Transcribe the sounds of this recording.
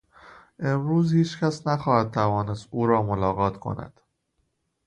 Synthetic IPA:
ʔe̞mɾuːzhiːt͡ʃcʰæsnæxɒːhæd̪̚t̪ʰævɒːnest̪uːɾɒːmolɒːɣɒːt̪ʰkʰo̞̰næ̰d̪̥

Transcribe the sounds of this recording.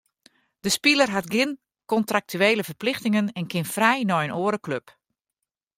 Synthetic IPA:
d̥əspilərɦatɡɪn | kɔntrak̚tʰyeːləvərplɪxtɪŋənɛnkʰɪnfrɛjnɔjənʔoːəɾəkløp

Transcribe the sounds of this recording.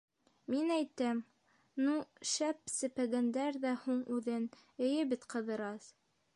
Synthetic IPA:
minæjt̪æm | nuʃæp̚sɘ̆pæɡænd̪æɾðæhuɴʉðɘnɘ̆jɘbɘt̪qɤ̆ðɤ̆ɾɑs

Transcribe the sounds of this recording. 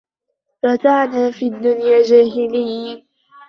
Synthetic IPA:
ɾˤɑt̪aʕnaːfiːad̪ːʊnjaːd͡ʒaːɦɪlɪj

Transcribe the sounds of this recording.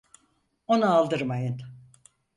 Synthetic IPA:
o̞naːlˠd̪ɯɾmajɯn

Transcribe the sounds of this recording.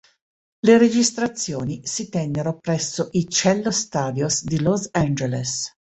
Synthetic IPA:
leɾed͡ʒist̪ɾat̪sːjoːnisit̪ɛnːeɾopɾɛsːoʔit͡ʃɛlːost̪aːd̪josd̪ilosand͡ʒeles

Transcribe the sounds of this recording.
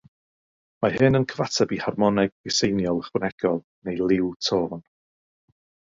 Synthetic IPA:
mahɨnənkʰəvatʰɛbiharmɔnɛɡɪsejnjɔlˠəχwənɛɡ̥ɔlˠ | nejlˠɪwtʰoːn

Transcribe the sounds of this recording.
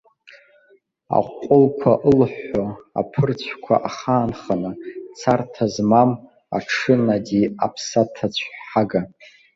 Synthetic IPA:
a̰qʷʼːʊlkʷʰaʔəlħoa̰pʰɨrt͡ɕʷʰkʷʰa̰ʔaχaːnχanɨt͡sʰartʰazmam | a̰ʈ͡ʂʰɨnadʲiapʰsatʰat͡ɕʷʰħaɡa

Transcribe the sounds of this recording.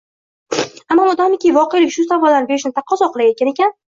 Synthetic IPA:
amːɒmɒd̪ɒmɪkʲivɒqejlɪkʲʃʊsabalanɪbeɾɪʃnɪt̪ʰap̚qʰːɒsɒqlˠajet̪̚kʲane̞kʲan

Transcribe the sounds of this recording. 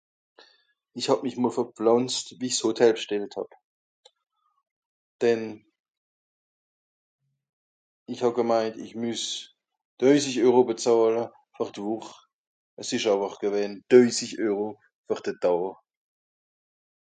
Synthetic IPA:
ɪçhɑb̚mɪçmoːlfɛflanstviːɪçshotʰɛləʃtɛlthɑ̰b̥ | d̥ɛn | ɪçhɑbɡəmaɪntɪ̰çmys | d̥œʏsɪçœʏʁobət͡sɑːlə | fyʁd̥vuχ | ʔəsɪʃɑvɐχɡ̥əvɛːnd̥œʏsɪçœːʁo | fyʁd̥əd̥awə

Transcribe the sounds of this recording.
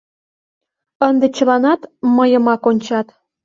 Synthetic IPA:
ənd̪et͡ɕə̆lɑnɑt̪məjəmɑkonʲt͡ɕɑt̪

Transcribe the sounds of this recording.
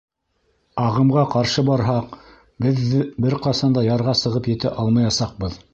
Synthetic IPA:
ɑʁɤ̆mʁɑqɑɾʃɤbɑɾɦɑq | bɘðbɘɾqɑsɑnd̪ɑjɑɾʁɑsɤ̆ʁɤpjɘ̆t̪æʔɑlˠmɑjɑsɑq̚bɤð

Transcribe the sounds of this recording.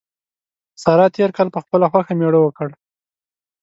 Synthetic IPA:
sɑɾɑt̪eɾkɑlpəxpəlaxwaxameɽəwəkəɽ

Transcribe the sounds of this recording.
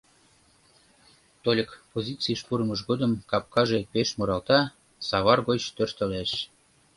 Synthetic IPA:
t̪olʲəkpozʲit͡siʃpuɾəməʃɡod̪əmkɑp̚kɑʒepeʃmoɾɑlt̪ɑ | sɑβɑrɣot͡ɕt̪ørt̪ə̆leʃ

